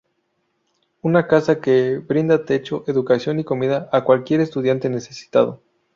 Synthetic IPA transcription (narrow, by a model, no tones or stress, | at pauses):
unakasakebɾind̪at̪e̞t͡ʃo̞ʔe̞ðukasjo̞niko̞miðaʔakwalkje̞ɾe̞st̪uðjant̪e̞ne̞se̞si̥t̪að̞o̞̰